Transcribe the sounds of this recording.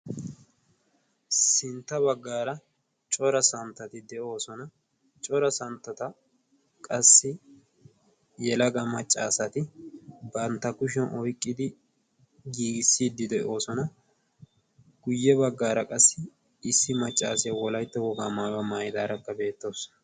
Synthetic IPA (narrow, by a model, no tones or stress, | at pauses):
sɪnt̪ːɐbɐɡːaːɾɐ | t͡ʃʼɔɾɐsɐnt̪ːɐt̪ɪd̪ɛʔo̞ːsɔnɐ | t͡ʃʼɔɾɐsɐnt̪ːɐt̪ɐ | kʼɐsːɪ | jɛlɐɡɐmɐt͡ʃʼːa̰ːsɐt̪ɪbɐnt̪ːɐkʊʃ̬ɛnʔɔjkʼːɪd̪ɪ | ɡiːɡɪsːiːd̪ːɪd̪ɛʔo̞ːsɔnɐ | ɡ̥ʊjːɛbɐɡːaːɾɐkʼɐsːɪ | ɪsːɪmɐt͡ʃʼːaːsɪjɐwɔlɐjt̪ːɐwɔɡaːmaːɡɐmaːjɪd̪aːɾɐkːɐbe̞ːt̪ːo̞ːs